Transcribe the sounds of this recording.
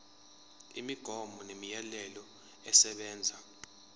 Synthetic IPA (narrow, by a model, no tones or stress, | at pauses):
imiɡ̥ʱɔmbʱɔnemijɛlɛlɔ | ɛsɛɓɛːnd͡zʱa